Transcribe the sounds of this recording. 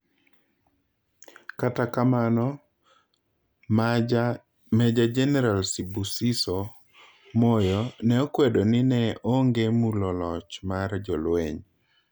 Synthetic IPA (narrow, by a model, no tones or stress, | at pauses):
katakamanɔ | mɛd͡ʒad͡ʒɛnɛɾalsibusiso | mɔjɔnɛokwedonɪnɛoŋɡemulɔlɔt͡ʃmard͡ʒɔlwḛɲ